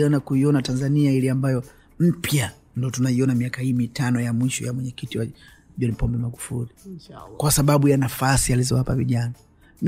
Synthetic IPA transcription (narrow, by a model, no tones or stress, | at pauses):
ɔnakuiɔnatanzaniailiambajɔ | m̩pʰja | ndɔtunaiɔnamiakahiːmitanɔjamwiʃɔ̰jamwɛɲɛkitiwa | ʄɔnpɔmbɛmaɡufulikwasaɓaɓujanafasializɔwapaviʄana | m